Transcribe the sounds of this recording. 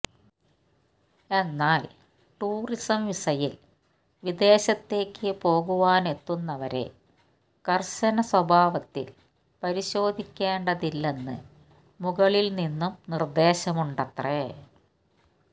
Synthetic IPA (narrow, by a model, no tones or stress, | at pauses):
e̞nːaːl | ʈuːrisɐmʋisɐjil | ʋid̪e̞ːɕɐt̪ːe̞ːkːɨpo̞ːɣuʋaːne̞t̪ːunːɐʋɐɾe̞̰ | kɐrɕɐnɐswɐbʱaːʋɐt̪ːḭl | pɐɾiɕo̞ːd̪ʱikʲːe̞ːɳɖɐðilːe̞nːɨ̰ | muɣɐɭilninːumnird̪e̞ːɕɐmuɳɖɐt̪re